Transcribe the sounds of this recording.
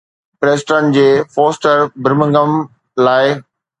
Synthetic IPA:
ɾeːsʈɾənɪ̆d͡ʑeːfɔːsʈəɾbɪɾɪmə̃ŋɡəm | laːɪ

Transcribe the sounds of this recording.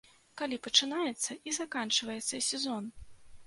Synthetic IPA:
kalʲipɐt͡ʂɨnajɛt̪sːɐʔizakant͡ʂɨvɐjɛt̪sːɐsʲɛzɔn

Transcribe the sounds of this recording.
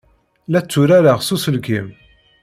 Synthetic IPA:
læt͡sːuɾæɾaʁsusəlkim

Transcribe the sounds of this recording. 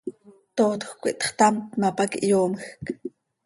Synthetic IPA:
t̪oːt̪xkʷḭʔt̪χt̪amt̪mapakiʔjoːmxk

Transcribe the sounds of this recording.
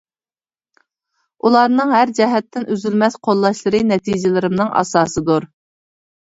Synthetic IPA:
ʔulˠɑɾnɨŋɦæɾd͡ʒɛɦɛt̪ːɪnʔyzylmɛsqʰolˠːɑʃlˠɨɾɨnɛt̪ʰid͡ʒɪlɪɾɪmnɨŋʔɑ̰sɑːsɨd̪uɾ

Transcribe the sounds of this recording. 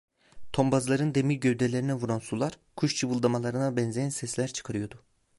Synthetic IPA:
t̪ʰo̞mbazlˠaɾɯnd̪e̞milɟøɥd̪elʲe̞ɾinɛvuɾansulˠaɾ̥ | kʰuʃt͡ʃʰɯvɯlˠd̪amalˠaɾɯnabɛnzʲejænsɛslʲæɾt͡ʃʰɯ̥kʰaɾɯjo̞d̪ʊ

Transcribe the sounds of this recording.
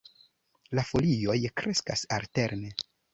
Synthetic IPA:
lafo̞lio̞jkɾe̞skasalte̞ɾne

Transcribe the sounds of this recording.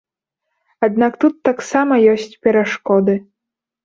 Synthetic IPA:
ad̪̚nakt̪ut̪ːaksamɐjɔsʲt͡sʲpʲɛɾaʂkɔd̪ɨ

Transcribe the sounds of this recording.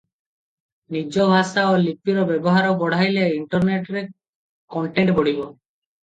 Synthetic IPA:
nid͡ʒɔbʱasaolip̚iɾɔbebɔɦaɾɔbɔɽ̤ʱajleiɳʈɔɾneʈɾe | kɔɳʈeɳʈboɽ̤ibɔ

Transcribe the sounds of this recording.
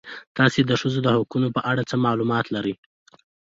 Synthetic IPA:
t̪ɑsed̪əʂəzod̪əhʊkunopəʔaɽat͡səmɑlumɑt̪laɾəj

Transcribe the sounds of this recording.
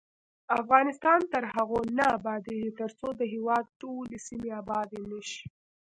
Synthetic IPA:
afɣɑnɪst̪ɑnt̪əɾɦaɣonaːbɑd̪eʒit̪əɾt͡sod̪əɦewɑd̪̚ʈolesimeabɑd̪enəʃi̥

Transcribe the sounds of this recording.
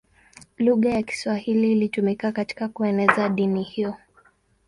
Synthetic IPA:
luɣajaki̥swahiliːlitumikakati̥kakuɛnɛzaɗinihiɔ

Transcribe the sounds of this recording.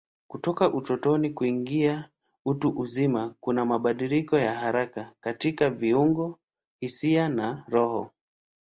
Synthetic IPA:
kutɔkaʔutɔtɔnikuiŋɡia | utuʔuzimakunamaɓaɗilikɔjaɦaɾakakatikaviuŋɡɔ | hisianaɾɔhɔ

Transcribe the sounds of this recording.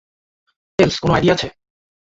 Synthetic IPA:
t̪elskonoa̰jɾiat͡ɕʰe

